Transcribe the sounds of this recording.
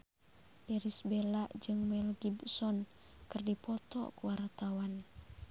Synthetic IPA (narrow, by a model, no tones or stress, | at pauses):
ʔiɾisbelaʔd͡ʒɨŋmɛlɡibsɔn | kɨrdipɔt̪ɔ̰kwart̪awan